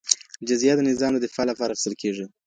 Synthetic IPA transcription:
d͡ʒazjɑt̪d̪ənɪzɑmd̪əd̪ɪfɑlapɑɾaːxɪst̪əlkʰeʐi

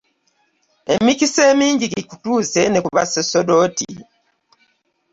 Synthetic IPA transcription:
emicise̞ːmiːɲɟiɡikutuːze̞ne̞kuβa̰seso̞dotḭ

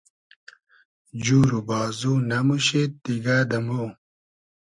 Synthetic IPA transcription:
d͡ʑuːɾubaːzunɐmuɕet̪ːiɡaːd̪ɐmo

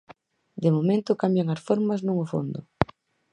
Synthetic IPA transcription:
d̪emomẽnt̪ʊkambjaŋɐsfoɾmɐznõŋʊfo̰nd̪ʊ

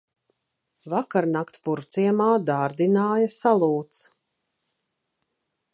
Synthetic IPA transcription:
vakaɾnakt̪puɾt̪siɛmaːd̪aːɾd̪inaːjasalˠuːt̪s

